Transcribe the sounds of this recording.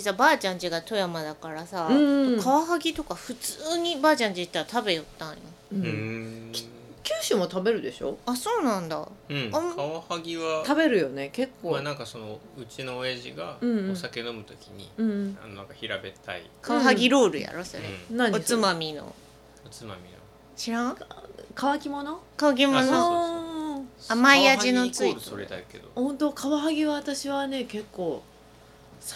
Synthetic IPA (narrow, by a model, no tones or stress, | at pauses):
isabaːt͡ɕãɲd͡ʑiɡat̪o̞jamad̪akaɾasaɯ̃ːkkʰaβaɦaɡʲit̪o̞kaɸɯ̟t͡sɨːɲ̟ibaːt͡ɕãɲ̟d͡ʑiit̪ːaɾat̪abe̞jot̪ːãɰ̃jo | ɯ | kʲɨːɕɨmo̞t̪abe̞ɾɯ̟d̪e̞ɕo̞aso̞ːnãnd̪a̰ɯ̟̃kaβahaɡʲiβat̪abe̞ɾɯ̟jo̞ne̞ke̞kːoːanãŋkaso̞no | ɯ̟t͡ɕino̞ːeʑḭɡaɯ̟̃ɴõsake̞no̞mɯ̟t̪o̞kʲiɲ̟ḭɯ̟̃ɴa̰nonãŋkaçiɾabe̞t̪a̰ḭkʰaβaɦaɡʲiɾo̞ːɾɯ̟ja̰ɾosoɾḛnãɲot͡sɨmamʲino̰ | ot͡sɨma̰mʲḭno̰ | ɕiɾãkaβakʲimo̞no̞kaβak̬ʲimono | amaiainot͡soɾɯsoɾed̪a̰ked̪ohõ̞nt̪o̞kʰaβaɦaɡʲiβaβat̪aɕiβane̞ke̞kːo̞ː | s